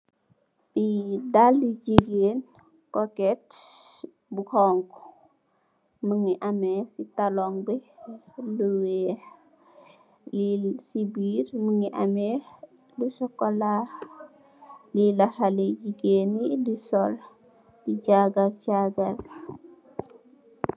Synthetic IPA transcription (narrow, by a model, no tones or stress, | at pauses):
bidaldid͡ʒiɡeːn | kɔkɛt | bukɔŋk | məŋiʔamɛsitalɔŋbe | luwɛ | lisibiːɾməŋiʔa̰mɛ | lusɔkɔla | lilɐhalid͡ʒiɡeːnidisɔl | diɟaɡɐlɟaɡɐl